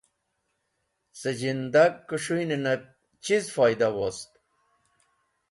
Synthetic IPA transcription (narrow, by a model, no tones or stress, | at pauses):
səd͡ʑind̪akːuʂujninɐ | t͡ɕizfɑjd̪awost̪̚